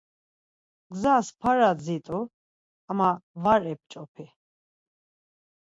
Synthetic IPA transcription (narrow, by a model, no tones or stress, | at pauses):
ɡzaspʰaɾad͡zit̪ʼu | amavaɾɛp̚t͡ʃʼɔpʰi